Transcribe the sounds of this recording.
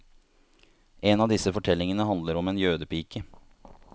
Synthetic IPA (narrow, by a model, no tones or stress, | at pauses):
ʔeːnɑːd̪ɪsəfɔʈʰɛlɪŋənəhɑnd̪ləɾɔmeːnjøːd̪əpiːkə